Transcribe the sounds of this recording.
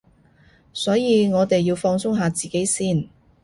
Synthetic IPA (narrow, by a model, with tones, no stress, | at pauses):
sɔː˨˥jiː˨˧ŋɔː˨˧t̪e˨jːiː˧wfɔː˧ŋsʊ˥ŋɦaː˨˧t͡siː˨˩ke˨˥jsiː˥˩n